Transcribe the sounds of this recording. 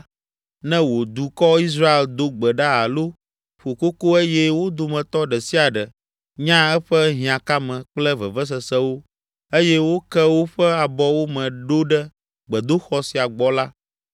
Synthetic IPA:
nɛ̃˦wo˨d̪u˨kɔ˦i˦s̬ɾa˦e˨ld̪o˦ɡ͡bɛ˨ɖa˦a˨lo˦ | ɸo˨ko˦ko˦e˦jɛ˦wo˦d̪o˨mɛ̃˨t̪ɔ˦ɖɛ˨si˦a˨ɖɛ˨ | ɲã˦ɛ˦ɸɛ˦ɦĩ˨ã˨ka˦mɛ̃˨k͡plɛ˦və̰˨və˦s̬ɛ˨sɛ˦wo˦ | e˦jɛ˦wo˦kɛ˦wo˦ɸɛ˦a˨bɔ˦wo˦mɛ̃˨ɖo˦ɖɛ˦ | ɡ͡bɛ˨d̪o˦xɔ˦si˨a˨ɡ͡bɔ˨la˦

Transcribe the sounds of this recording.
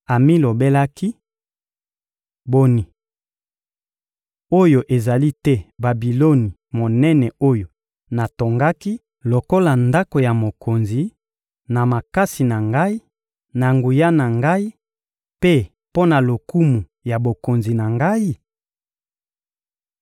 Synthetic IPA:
a˨mi˦lo˨be˦la˦ki˦ | bo˨ni˨ | o˦jo˨ʔe˨za˨li˦tɛ˦ba˨bi˨lo˦ni˨ | mo˨nɛ˦nɛ˨o˦jo˨ | na˨to˨ŋɡa˦ki˦ | lo˨ko˦la˨nda˦ko˨ja˨mo˨ko˨nzi˨ | na˨ma˨ka˦si˨na˨ŋɡa˦i˦ | na˨ŋɡu˨ja˦na˨ŋɡa˦i˦ | pe˦ | po˦na˨lo˨ku˦mu˨ | ja˨bo˨ko˨nzi˨na˨ŋɡa˦i˦

